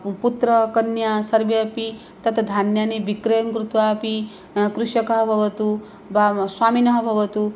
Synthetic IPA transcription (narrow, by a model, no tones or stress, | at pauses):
put̪ɾɐkɐnjasɐɾʋjɐpi | t̪ɐt̪ʰɐd̪ʱaːnjaːnibikɾɐjɐŋkɾut̪ʋaːpi | kɾuʃɐkɐɦɐbʱɐʋɐt̪u | baswaːminɐɦɐbʱɐʋɐt̪u